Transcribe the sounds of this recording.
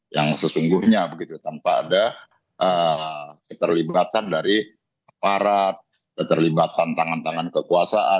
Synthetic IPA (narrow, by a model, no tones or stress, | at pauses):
jaŋsəsuŋɡuhɲabəɡit̪ut̪ampa̰ːda | ʔə | kət̪ərlibat̪andaɾi | ʔapaɾat̪̚ | kət̪ərlibat̪ant̪aŋant̪aŋankəkuasaʔa